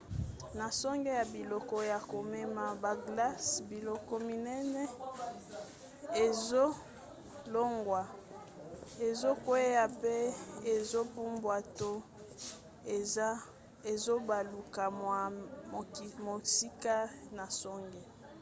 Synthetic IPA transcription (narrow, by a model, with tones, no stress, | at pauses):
na˨sɔ˦ŋɡe˦ja˨bi˨lɔ˨kɔ˦ja˨ko˨me˦ma˨ba˨ɡla˦sbi˨lɔ˨kɔ˦mi˨nɛ˦nɛ˦ | e˨zo˦ | lo˦ŋɡwa˨ | e˨zo˦ko˨e˦ja˨pe˦e˨zo˦pu˦mbwa˨to˦˨˦ | e˨zo˦ba˨lu˨ka˨mwa˨ | mo˨si˦ka˦na˨sɔ˦ŋɡe˦